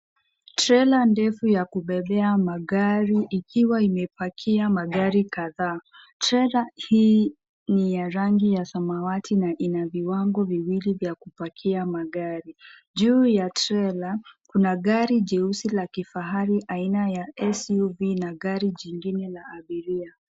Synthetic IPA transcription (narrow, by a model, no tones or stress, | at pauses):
tɾɛlandɛfujakuɓɛɓɛamaɠaɾiʔːkʰiwaimɛpakʰiamaɠaɾikaðaː | tɾɛlahiː | nijaɾaŋɡijasamawatʰinaʔinaviwaŋɡɔviwilivjakupakʰiamaɠaɾi | ʄuːjatɾɛlakunaɠaɾiʄɛusilakifaɦaɾiʔainajaɛsuvinaɠaɾiʄiŋɡinɛlaːɓiɾia